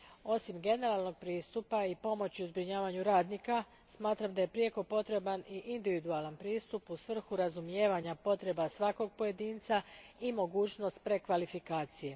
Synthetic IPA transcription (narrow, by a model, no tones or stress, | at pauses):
o̞simɡe̞ne̞ɾaːlˠno̞ɡ̚pɾiːst̪upaipo̞mo̞t͡ɕiuzbɾiɲaːʋaɲuɾaːd̪nika | smaːt̪ɾamd̪aje̞pɾieko̞po̞t̪ɾe̞baniʔind̪iʋid̪ualanpɾiːst̪upusʋr̩xuɾazumjeːʋaɲapo̞t̪ɾe̞basʋako̞ɡ̚po̞je̞d̪iːnt̪saimo̞ɡuːt͡ɕno̞st̪̚pɾe̞kʋalifikaːt̪sije̞